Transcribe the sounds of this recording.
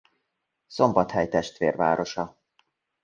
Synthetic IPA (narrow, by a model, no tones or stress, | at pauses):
so̞mbɒt̪hɛjt̪ɛʃt̪vḛːrva̰ːɾo̞ʃɒ